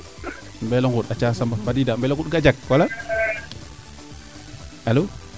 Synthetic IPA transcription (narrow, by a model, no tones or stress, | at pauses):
mbɛlɔŋɡutat͡ʃasambafadidambɛlɔŋɡut̚ɡad͡ʒak̚wala | alu